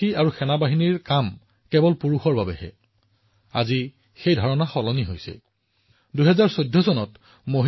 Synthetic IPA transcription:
iaɹuxɛnabaɦiniɹkam | kɛbɔlpuɹuxɔɹbabɛhɛ̰ | a̰zi | xejdʱɔɹɔnaxɔlɔniɦojsɛ̰ | duɦɛzaɹsojdʱːɔsɔnɔt | moɦ

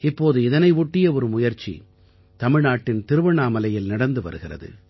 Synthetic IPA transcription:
ɪpːoːðɯɪðɐnɐɪʋʊʈːɪjɐɔɾɯmʊjɐɾt͡ʃḭ | t̪ɐmɪɻnaːʈːɪnt̪ɪɾɯʋɐɳaːmɐlɐjɪlnɐɽɐnd̪ɯʋɐ̰ɾɯɣɪrɐ̰ðɯ̰

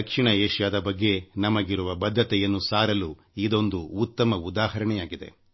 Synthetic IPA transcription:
ɐkʂiɳɐeːʂjaːd̪ɐbɐɡːe̞nɐmɐɡiɾuʋɐbɐd̪ʱːɐt̪ɛjɐnːusaːɾɐlu | id̪o̞nd̪uːt̪ːɐmɐud̪aːhɐɾɐɳɛjaːɡid̪e̞̰

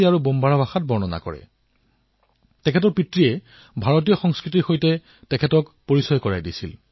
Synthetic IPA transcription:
iaɹubombʱaɹabʱaxat̚bɔɹnɔna̰kɔ̰ɹɛ̰ | tɛkʰɛtɔɹpitɹiɛ | bʱaɹot̬ijɔxɔŋskɹitiɹxojtɛ | tɛkʰɛtɔkpoɹisɔjkɔɹajdisḭl

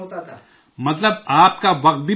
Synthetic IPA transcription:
mɐt̪ləbaːp̚kaʋɐq̚t̪̚bʱi

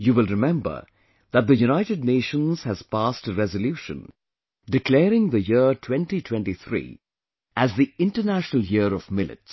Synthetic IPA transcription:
juwɪlˠɹɪmɛ̃mbə̰˞ | ðət̪̚dðəjunaɪɾɨdneɪʃə̃nz̥hæz̥pastəɾɛzəljuːʃə̰̃n | ɖɪklɛːɾɪ̃ŋðəjɪtʰwɛ̃nʈitʰw̥ɛ̃nʈiθɾḭː | ʔæzðiɪ̃nʈənæʃnəl̩ˠjɪəɾɔvmɪlɪ̰ts

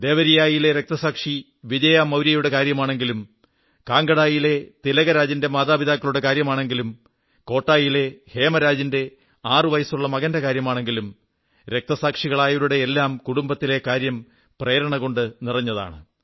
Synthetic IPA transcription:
d̪e̞ːʋɐɾijaːjile̞ɾek̚t̪ɐsaːkʂi | ʋid͡ʑɐjaːmɐwɾijɐjuɽe̞kaːɾjɐmaːɳe̞ŋɡilum | kaːŋɡɐɽaːjile̞t̪ilɐɣɐɾaːd͡ʑinde̞maːðaːbiðaːkːɐɭuɽe̞kaːɾjɐmaːɳe̞ŋɡilum | ko̞ːʈːaːjile̞he̞ːmɐɾaːd͡ʑinde̞ | aːrɨʋɐjɐsuɭːɐmɐɣɐndɐkaːɾjɐmaːɳe̞ŋɡilum | ɾek̚t̪ɐsaːkʂiɣɐɭaːjuɾuɽe̞ːlːaːmkuɽumbɐt̪ːile̞kaːɾjɐm | preːɾɐɳɐɣo̞ɳɖɨnirɐɲːɐða̰ːɳɨ

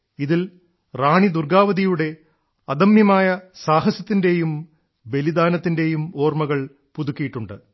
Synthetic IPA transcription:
iðil | raːɳid̪urɡaːʋɐðijuɽe̞ | ɐd̪ɐmjɐmaːjɐsaːɦɐsɐt̪ːinde̞jum | be̞lid̪aːnɐt̪ːinde̞jumo̞ːrmɐɣɐɭ | puðukʲːijiʈːuɳɖɨ

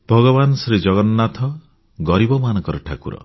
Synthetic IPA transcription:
b̥ʱɔɡɔbanɔsɾid͡ʒɔɡɔnːat̪ʰɔ | ɡɔɾibɔmanɔŋkɔɾɔʈʰakuɾɔ̰

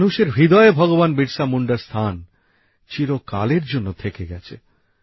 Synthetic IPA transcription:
nuʃeɾbʱid̪ɔebʱɔɡobanbiɾsamuɳɖaɾst̪ʰan | t͡ɕiɾokaleɾd͡ʑonːot̪ʰekeɡɛt͡ɕʰḛ

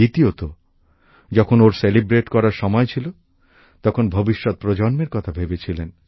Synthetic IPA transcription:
it̪iot̪o | d͡ʑɔkʰonoɾselibɾeʈkɔɾaɾʃɔmɔet͡ɕʰilo | t̪ɔkʰonbʱobiʃːɔt̪̚pɾod͡ʑɔnmeɾkɔt̪ʰabʱebet͡ɕʰilen

